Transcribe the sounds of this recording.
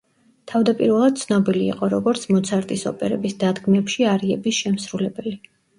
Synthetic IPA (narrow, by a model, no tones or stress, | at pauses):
t̪ʰavd̪apʼiɾvɛlˠad̪̥̚t̪sʰnɔbilḭːqʼɔɾɔɡɔɾt̪sʰmɔt̪sʰaɾt̪ʼisɔ̰pʼɛɾɛbisd̪ad̪ɡmɛpʃiaɾiɛbisʃɛmsɾulɛbɛli